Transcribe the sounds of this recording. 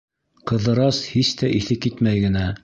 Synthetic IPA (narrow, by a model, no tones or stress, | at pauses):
qɤ̆ðɤ̆ɾɑshist̪æʔiθɘkːit̪mæjɡɘ̆næ